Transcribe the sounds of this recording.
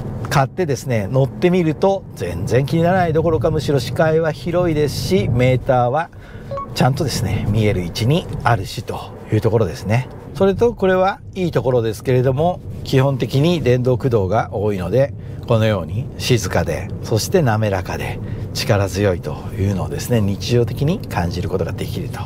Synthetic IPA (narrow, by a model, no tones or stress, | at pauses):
kat̪ːe̞d̪e̞sɨne̞no̞t̪ːe̞mʲiɾɯ̟t̪o̞zẽ̞̰nzẽ̞ŋkʲiɲ̟inaɾanaid̪o̞ko̞ɾo̞kamɯ̟ɕiɾo̞ɕi̥kaiβaçiɾo̞id̪e̞sɨ̥ɕime̞ːt̪aːβa | t͡ɕãnt̪o̞d̪e̞sɨne̞mʲie̞ɾɯ̟it͡ɕiɲ̟iaɾɯ̟ɕit̪o̞̥ | jɯ̟ːt̪o̞ko̞ɾo̞d̪e̞sɨne̞ | so̞ɾe̞t̪o̞ko̞ɾe̞β̞a | iːt̪o̞ko̞ɾo̞d̪e̞sɨ̥ke̞ɾe̞d̪o̞mo̞kʲihõ̞nt̪e̞kʲiɲ̟id̪ẽ̞nd̪o̞ːkɯ̟d̪o̞ːɡaʔo̞ːino̞d̪e̞ko̞no̞jo̞ːɲ̟iɕizɨkad̪e̞̰so̞ɕi̥t̪e̞name̞ɾakad̪e̞̰ | t͡ɕi̥kaɾazɨjo̞it̪o̞̰ | jɯ̟ːno̞ːd̪e̞sɨne̞ɲ̟it͡ɕiʑo̞ːt̪e̞kʲiɲ̟ikʰãɲ̟d͡ʑiɾɯ̟ko̞t̪o̞ɡad̪e̞kʲiɾɯ̟t̪o̥